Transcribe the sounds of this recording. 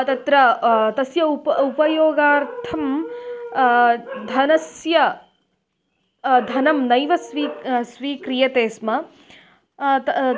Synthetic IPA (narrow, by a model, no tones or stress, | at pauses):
t̪ɐt̪ɾɐt̪ɐsjɐuupɐjoːɡaːɾtt̪ʰɐm | d̪ʱɐnɐsjɐ | d̪ʱɐnɐmnɐjʋɐsʋiːsʋiːkɾijɐt̪eːsmɐ